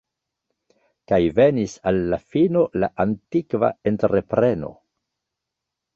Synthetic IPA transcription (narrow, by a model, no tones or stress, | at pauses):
kajve̞nisalːafino̞la̰ʔantikva̰e̞nteɾe̞pɾe̞no̞̰